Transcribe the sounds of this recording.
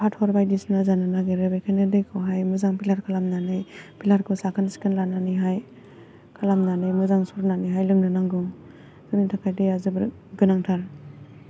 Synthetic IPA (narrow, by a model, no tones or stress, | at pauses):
pʰatʰhɔɾbajdisnazananaɡeɾebejkʰajnɯdɯjkʰɔwɦajmɯzaŋpʰilaɾkʰalamnanɯjpʰilaɾkʰɯsakʰɯnsi̥kɯnlananiɦaj | kʰalamnanɯjmɯzaŋsuɾnaniɦajlɯŋnɯnaŋɡɯŋ | kɯnitʰakʰajdejazɯbɯ̰ɾ | ɡɯnaŋtʰaɾ